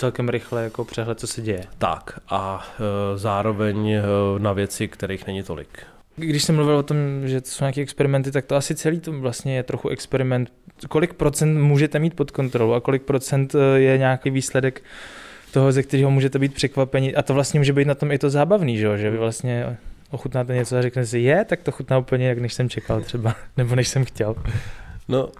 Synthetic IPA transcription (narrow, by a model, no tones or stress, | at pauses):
t͡sɛlkɛmɾɪxlɛjakopr̝̥ɛɦlɛt̪̚t͡sosɛɟɛjɛt̪a̰kʔa | zaːɾovɛɲnavjɛt͡sɪkt̪ɛɾejxnɛɲɪt̪o̰lɪ̰k | ɡdɪʃsɛmluvɪlvo̞t̪o̞mʒɛt̪o̥sowɲaːkiːʔɛkspɛɾɪmɛnt̪ɪt̪ak̚t̪oasɪt͡sɛliːt̪ovlast̪ɲɛjɛt̪ɾo̞xuʔɛkspɛɾɪmɛnt̪ | ko̞lɪk̚pɾo̞t͡sɛnt̪muːʒɛt̪ɛmiːt̪̚po̞t̪ko̞nt̪ɾo̞lowʔakolɪk̚pɾo̞t͡sɛnt̪jɛɲaːkijviːslɛdɛk | t̪o̞ɦozɛk̚t̪ɛɾiːɦo̞muːʒɛt̪ɛbiːt̪pr̥ɛkvapɛɲɪʔat̪ovlast̪ɲɛmuːʒɛbejt̪nat̪o̞mɪt̪ozaːbavniːʒɛoʒɛvɪvlast̪ɲɛʔoxut̪naːt̪ɛɲɛt͡soaɾɛknɛs̬ɪjɛt̪ak̚t̪oxut̪naːupəɲɛjaknɛʃsɛmt͡ʃɛkalt̪r̥ɛbanɛbo̞nɛʃsɛmxcɛl | no